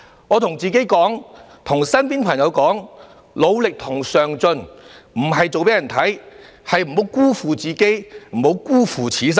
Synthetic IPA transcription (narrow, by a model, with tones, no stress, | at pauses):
ŋɔː˨˧t̪ʰʊ˨˩ŋt͡siː˨ke˨˥jkɔː˨˥ŋ | t̪ʰʊ˨˩ŋsɐ˥npiː˥npʰɐ˨˩ŋjɐ˨˧wkɔː˨˥ŋ | lo˨˧wlɪ˨k̚t̪ʰʊ˨˩ŋsœː˨˩ŋt͡sɵ˧nm̩˨˩ɦɐ˨jt͡so˨wpe˨˥jɐ˨˩nt̪ʰɐ˨˥j | hɐ˨jm̩˨˩ho˨˥wkuː˥fuː˨t͡siː˨ke˥jm̩˨˩ho˨˧˥wkuː˥fuː˨t͡sʰiː˨˥s̬ɐ˥